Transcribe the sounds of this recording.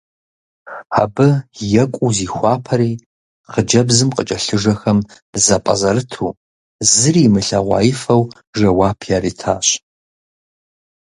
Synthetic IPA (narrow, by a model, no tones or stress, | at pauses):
a̰bɨjɛkʷʼuziːxʷɑːpʰɐɾiː | χəd͡ʒɐbzɨmqʼət͡ʃʼɐɬɨʒɐxɐm | zɐpʼɐ̰zɐɾɨtʰuː | zɨriːmɨɬɐʁʷɑ̰ːjɪfɐw | ʒɐwɑːpʰaːɾiːtʰa̰ːɕ